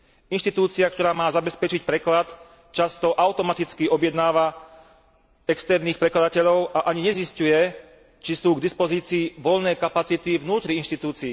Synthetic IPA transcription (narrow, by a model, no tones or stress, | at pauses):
inʃt̪it̪uːt͡siak̚t̪ɔɾaːmaːzabɛspɛt͡ʃicpɾɛklat̪ | t͡ʃast̪ɔʔaʊt̪ɔmat̪it͡skiɔbjɛd̪naːʋa | ɛkst̪ɛɾniːxpɾɛklad̪acɛʎɔʊʔaʔaɲiɲɛziscujɛ | t͡ʃisuːɡd̪ispɔziːt͡siːʋɔlnɛːkapat͡sit̪ivnuːt̪ɾiinʃt̪it̪uːt͡siː